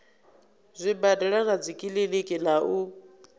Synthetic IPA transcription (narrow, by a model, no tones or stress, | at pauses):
zʷibadaɺanad͡zikʼilelekʼilau